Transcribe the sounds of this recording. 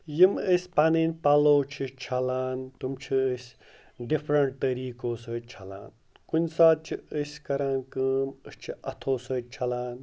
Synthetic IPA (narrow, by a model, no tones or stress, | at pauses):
jiməsʲpɐninʲpɐloːt͡ʃʰit͡ʃʰɐlaːnt̪umt͡ʃʰiəsʲ | ɖifʰɾɐɳʈ̚t̪əɾiːkoːsəːt͡ʃʰɐla̰ːn | kunʲsaːd̪̚t͡ʃʰiəsʲkɐɾaːnkəːməst͡ʃʰiʔɐt̪ʰoːsəːt͡ʃʰɐlaːn